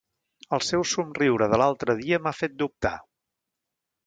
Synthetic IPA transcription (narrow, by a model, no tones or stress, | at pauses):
əlˠsɛwsumriwɾəðəlalˠt̪ɾəðiəmafet̪̚d̪up̚t̪a̰